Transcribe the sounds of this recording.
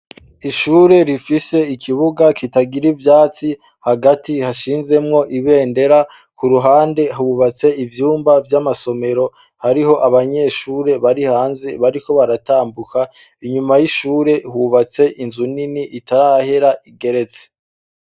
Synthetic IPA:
iʃuːɾe̞ɾifise̞ikʰiβuɡakitaɡiɾivjaːt͡si | haɡatihaʃiːnze̞mŋo̞ʔiβe̞ːnde̞ɾa | kuɾuɦaːnde̞ɦuβat͡se̞ivjuːmbavjamaso̞me̞ɾo̞ | haɾiɦo̞ʔaβaɲe̞ʃuːɾe̞βaɾihaːnzeβaɾiko̞βaɾataːmbuka | iɲumajiʃuːɾe̞huβat͡se̞ʔinzuniniʔitaɾahe̞ɾaʔiɡe̞ɾe̞t͡se̥

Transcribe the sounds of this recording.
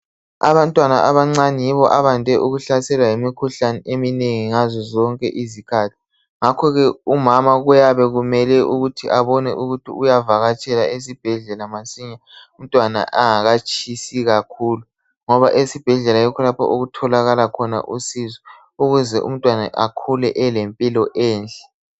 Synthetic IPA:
a̰βantʼwanaʔaβaŋ͡ǀanijiβɔʔaβandʱɛʔuɣuɬasɛlwajimikʰuɬanɛʔemineŋiŋazɔzɔŋkʼɛ̰ʔizikʰatʰi̥ | ŋakʰɔɣɛumamaɣujaβɛɣumɛlɛʔuɣutʰiʔaβɔnɛ̰ʔuɣutʰḭujavaɣat͡ʃʼɛlaes̬ib̥ʱɛɮɛlamasiɲa | um̩tʼwana̰ʔaŋaɣat͡ʃʰʼisiɣakʰuːlu | ŋɔβaʔesib̥ʱɛɮɛlajɔkʰɔlapʰɔ̰ʔoɣutʰɔlaɣalakʰɔna̰ʔusizɔ | uɣuzɛʔṵm̩tʼwana̰ʔakʰulɛʔɛlempʼilɔʔɛːnt͡ɬʼɛ̥

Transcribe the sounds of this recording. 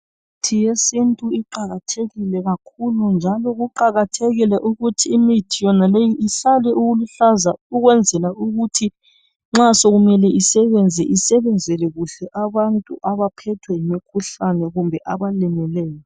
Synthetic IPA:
m | itʰijesintʼuiǃaɣatʰeɣilɛɣakʰulund͡ʒʱalɔɣuǃaɣatʰeɣilɛʔuɣutʰiːmitʰijɔnalejiiɬalɛʔuɣuluɬazauɣwɛnd͡zʱɛlauɣutʰi | ŋ͡ǁasoɣumɛlɛʔisɛβɛnd͡zʱɛʔisɛβɛnd͡zʱɛlɛɣuɬɛʔaβantʼṵʔaβapʰɛtʰwɛjimikʰuɬanɛɣumbʱɛʔaβalɛmɛlɛːjɔ

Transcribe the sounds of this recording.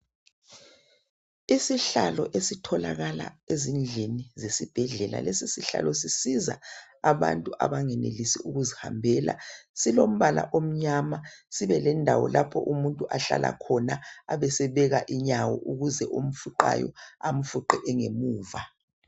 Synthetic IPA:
isiɬalɔʔesitʰɔlaɣala̰ezind͡ɮʱinizesib̥ʱɛɮɛla̰lesisiɬa̰lɔsisiza | aβa̰ntʼuʔa̰βaŋɛnelisiuɣuziha̰mbʱɛla̰silom̩βala̰ʔom̩ɲamasiβɛlɛndʱawɔ̰lʔapʰɔʔumuntʼuʔaɬa̰lʔa̰kʰɔnaːβɛsɛβɛɣaʔiɲawɔʔuɣuzɛʔom̩fuǃa̰jɔ̰am̩fuǃɛʔɛŋemuːva

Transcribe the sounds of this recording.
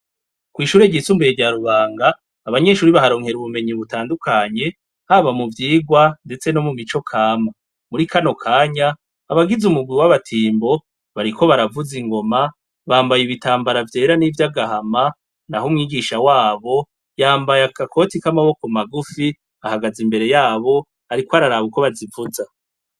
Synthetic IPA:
kwiːʃuːɾeɟit͡sumbejeɾɟaɾuβaːŋɡaː | βaɲe̞ʃuːɾiβahaɾo̞ːŋhe̞ɾuβume̞ɲiβutaːndukʰaɲe̞ | haβamuvjiːɡwande̞t͡se̞no̞mumit͡ʃo̞kʰaːma | muɾikano̞kʰaːɲaː | βaɡizumuɡwiwaβatʰiːmbo̞ | βaɾiko̞βaɾavuziŋɡo̞ma | βaːmbajiβitaːmbaɾavje̞ːɾanivjaɡahama | naɦumŋiːɡiʃawaːβo̞ | jaːmbajakakʰo̞tikamaβo̞ko̞maɡufi | ahaɡazimbe̞ɾe̞jaːβo̞ | aɾikoaɾaɾaβuko̞βazivuza

